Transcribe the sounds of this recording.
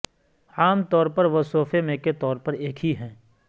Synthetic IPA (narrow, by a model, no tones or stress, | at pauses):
aːmt̪ɔːɾpɐɾʋɐsoːfemẽket̪ɔːɾpɐɾeːkʰɦiɦɛ̃ː